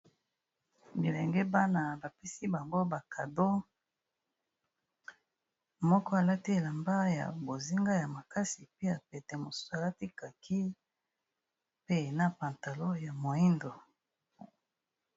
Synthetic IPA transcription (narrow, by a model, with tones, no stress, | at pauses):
bi˨lɛ˨ŋɡɛ˦ba˦na˨ba˨pe˦si˦ba˨ŋɡo˦ba˨kʰa˨do˦ | mɔ˦kɔ˦a˨la˦ti˦e˨la˨mba˦ja̰˨bo˨zi˦ŋɡa˦ja˨ma˨ka˦si˨pe˦a˨pɛ˨tɛ˨mo˨su̥˦sa˨la˦ti˦ka˨kʰi˦ | pe˦˨na˦pa˨nta˨lo˦ja˨mo˨i˦ndo˨